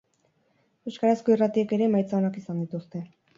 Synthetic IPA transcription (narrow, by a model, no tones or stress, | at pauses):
eskaɾasko̞irat̪ieke̞ɾe̞majt͡saonakisand̪it̪ust̪e̞